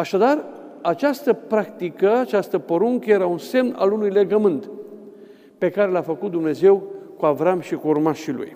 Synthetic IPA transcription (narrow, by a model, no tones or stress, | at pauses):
aʃad̪ar | at͡ʃast̪əpɾakt̪ikəat͡ʃast̪əpo̞ɾuŋkəje̞ɾaunse̞mna̰lunujle̞ɡəmɨnt̪ | pe̞kaɾe̞lafəkut̪̚d̪umne̞ze̞wkuavɾamʃikuurmaʃilṵj